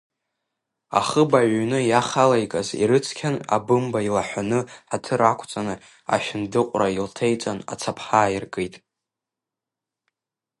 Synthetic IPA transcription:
a̰χəbaʕʷnɨjaχalajkʼazḭɾɨt͡sʰkʲʰana̰bɨmbailaħʷᶣanɨħatʰɨɾakʷʰt͡sʼanɨ | a̰ʃᶣɪndɨqʷʼrailtʰejt͡sʼana̰t͡sʰapʰħaːjirkʼɨjtʼ

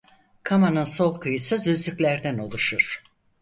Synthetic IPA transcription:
kʰamanɯnso̞lˠkʰɯjɯsɯd̪yzlʲycʲlʲæɾd̪æno̞lˠuʃuɾ̥

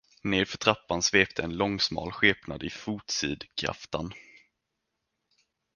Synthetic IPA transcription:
neːɾfœʈʰɾapːansveːpt̪ʰəɛnlɔŋːsmɑ̰ːlɧeːpnad̪ɪfuːt̪siːd̪kʰɾa̰ft̪an

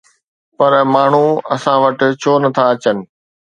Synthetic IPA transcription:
pɐɾmaːɳ̤uɐ̰sãʋɐʈɪ̆t͡ɕʰoːnɐt̪ʰaɐt͡ɕənɪ̆

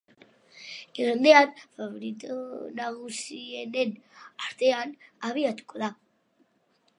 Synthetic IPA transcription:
eɾand̪e̞anfaβoɾit̪onaɣusienenaɾt̪e̞anaβ̞iat̪u̥ko̞ða

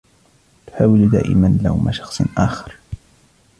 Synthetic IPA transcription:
t̪ʊ̥ħaːwɪld̪a̰ːʔɪ̰manla̰hʊmaʃɑ̥xsˤnʔaːxɑɾˤ

